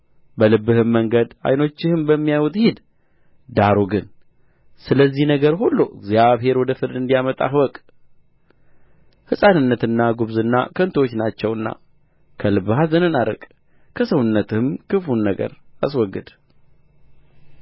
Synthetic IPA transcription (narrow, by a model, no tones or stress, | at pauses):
bəlɨbːɨhɨmːəŋɡəd̪a̰jno̞t͡ʃːɪhɨmbəmːijajwut̪ʼhid̪ | d̪aɾuɡɨn | sɨləzːihnəɡəɾɦulːuʔɨ̰ɡzjaβɦe̞ɾwɔd̪əfɨɾd̪ɨnd̪ijamət̪ʼa̰ɦɨwɔkʼ | hɨsʼanɨnːət̪ɨnːaɡuβzɨnːa̰kʰənt̪ʰwot͡ʃːnat͡ʃːɛwɨnːa̰ | kʰəlɨbːɨhazənɨnaɾə̰kʼ | kʰəsəwʊnːət̪ɨhɨmkɨfunːəɡə̰ɾaswɔɡːɨd̪